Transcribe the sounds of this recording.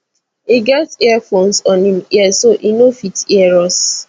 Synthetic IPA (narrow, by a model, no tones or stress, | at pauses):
iɡɛtɛafõnsɔ̃nimiɛsoʔinofitiɛɹɔs